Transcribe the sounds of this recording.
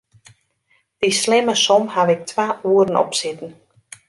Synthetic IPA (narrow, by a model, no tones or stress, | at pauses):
d̥islɪməsɔmhaʋɪk̚tʰʋaːʔuəɾən̩ɔ̰psɪtn̩